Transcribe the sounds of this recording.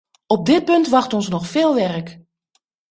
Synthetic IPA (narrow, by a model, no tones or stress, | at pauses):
ɔp̚dɪt̚pɵntʋɑxtɔnsnɔxfɪːlˠʋɛrək